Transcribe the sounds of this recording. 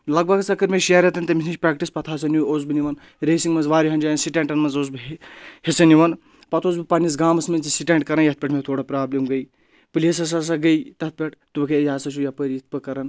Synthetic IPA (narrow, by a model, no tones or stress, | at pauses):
lɐɡ̚bɐɡt͡sɐkɐɾmeʃijaɾʲet̪ɐnʲt̪ɐmisnit͡ʃʲpɾaːk̚ʈispɐt̪ʰaːsɐnuoːz̬bɨniʋɐn | ɾeːsiŋɡmɐnzʋaːɾiɦɐnd͡ʒaːjnsiʈeɳʈɐnmɐnzoːzbɨhesɐniʋɐn | pɐt̪ʰoːzbɨpɐnisɡaːmɐsmɐnt͡sisiʈeːɳʈkɐɾɐnjɐt̪̚pʲeʈʰmet̪ʰoːɽɐpɾaːblemɡəj | pɨlʲesɐs̬as̬aɡɐjt̪ɐt̪̚pʲeʈʰt̪ubɐkʰejʲaːsɐʃʰujapəɾit̪̚ʰpɨkɐɾɐn